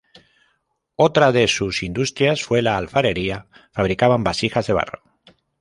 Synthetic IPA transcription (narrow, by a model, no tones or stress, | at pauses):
ot̪ɾaðe̞susind̪ust̪ɾjasfwe̞laːlfaɾe̞ɾia | faβ̞ɾikaβ̞ambasixazðe̞β̞a̰ro